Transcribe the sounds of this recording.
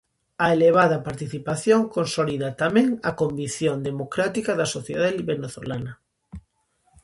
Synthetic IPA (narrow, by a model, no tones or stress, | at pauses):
ɐeleβ̞aðɐpaɾt̪iθipaθjoŋkonsoliðɐt̪amẽŋɐkombiθjond̪emokɾat̪ikɐðɐsoθjeðaðiβeneθo̰lanɐ